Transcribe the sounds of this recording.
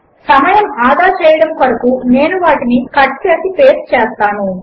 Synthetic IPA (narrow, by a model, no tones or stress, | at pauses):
sɐmɐjɐmaːd̪aːt͡ʃɛːjɐɽɐmkɐɾɐkune̞ːnuʋaːʈinikɐʈkjaːt̪ipeːst͡ʃɛːst̪aːnu